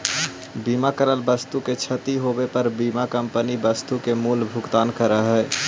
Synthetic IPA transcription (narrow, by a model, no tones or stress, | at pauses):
bimakəɾəlbəst̪uket͡ʃʰət̪iɦobepəɾbimakəmpənibəst̪ukemulbʱʊɡt̪ankəɾəɦɛ